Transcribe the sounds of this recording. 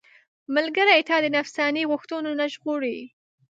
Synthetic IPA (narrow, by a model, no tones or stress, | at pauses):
məlɡəɾajt̪ɑd̪ənafsɑniɣʊxt̪unonaʒɣoɽi